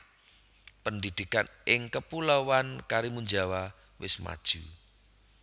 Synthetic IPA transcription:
pəndid̪̥ikanɪŋkəpulowankaɾimuɲd͡ʒawa | wɪsma̰d̥ʒ̥u

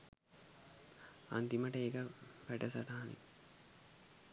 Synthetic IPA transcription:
a̰nt̪iməʈəeːkəpæʈəsat̪aɦanḭ

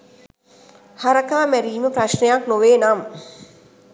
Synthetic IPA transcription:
haɾəkaːmæɾiːməpraʃnejaknoʋeːnam

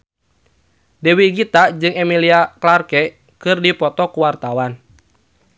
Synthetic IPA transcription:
dɛwiɡit̪ad͡ʒɨŋɛmiliaklarkɛ | kɨrdipɔt̪ɔkuwart̪awan

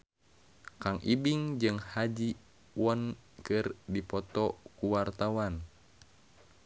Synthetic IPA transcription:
kaŋʔibiŋd͡ʒɨŋhad͡ʒi | wɔn | kɨrdipɔt̪ɔkuwart̪awan

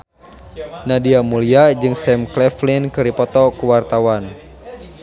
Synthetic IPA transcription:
nadiamuliad͡ʒɨŋsɛmklɛflinkɨɾipɔt̪ɔkuwart̪awan

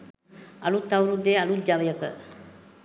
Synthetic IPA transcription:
ɐlut̪ːɐwɾud̪eːɐlud͡ʒaʋɐjəkə

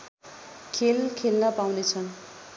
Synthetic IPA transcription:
kʰelkʰelnʌpawnet͡sʰʌn

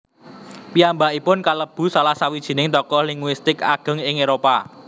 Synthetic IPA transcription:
piambaipʊnkaləb̥ṳsalahsawid̥ʒ̥i̤nɪŋt̪ɔkɔhliŋwɪst̪ɪkaɡ̥ə̤ŋɪŋeɾopa

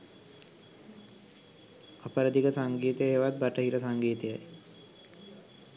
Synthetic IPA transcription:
apəɾəd̪ikəsaŋɡiːt̪əjeːʋat̪̚baʈəɦiɾəsaŋɡiːt̪əjaj

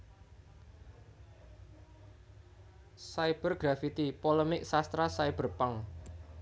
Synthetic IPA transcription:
sajb̥ərɡ̥ɾafit̪ipoləmɪk̚sast̪ɾasaib̥ərpaŋ

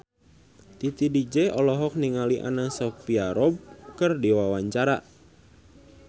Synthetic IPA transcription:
t̪it̪idid͡ʒɛɔlɔɦɔk̚niŋaliʔa̰nasɔkfiaɾɔb̚kərdiwawaɲt͡ʃaɾa

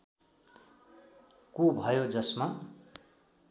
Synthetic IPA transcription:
kubʱʌjod͡zʌsma

